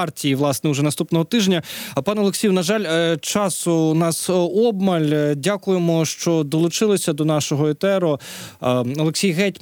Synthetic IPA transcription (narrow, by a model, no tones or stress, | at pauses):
ɑrtʲijiʋlˠɑsnɛʊʒɛnɐst̪upnɔɦɔt̪ɪʒnʲɐpɑnɔlˠeksʲijwnɐʒɑlʲt͡ʃɑsʊnɑsɔbmɐlʲdʲakʊjemɔʃt͡ʃɔd̪ɔlˠʊt͡ʃɪlˠɪsʲɐd̪ɔnɑʃɔɦɔet̪ɛɾɔ | ɔlˠeksʲijɣɛtʲ